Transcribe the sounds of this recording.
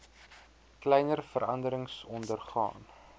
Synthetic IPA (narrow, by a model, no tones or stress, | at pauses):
klɛjnərfəɾɐndəɾəŋsɔndərχɑ̰ːn